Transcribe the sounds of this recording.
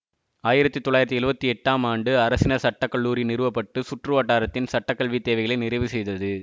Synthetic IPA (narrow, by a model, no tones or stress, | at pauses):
aːjɪɾɐt̪ːit̪ɔɭːaːjɪɾɐt̪ːɛlɯbɐt̪ːiɛʈːaːmaːɳɖɯɐɾɐsɪnɐsɐʈːɐkːɐɭːuːɾinɪɾɯʋɐpːɐʈːɯsʊʈrɯʋaːʈːaːɾɐt̪ːɪnsɐʈːɐkːɐɭʋit̪ːeːʋɐɪɣɐɭɐɪnɪɾɐɪʋɯsɛjðɐðɯ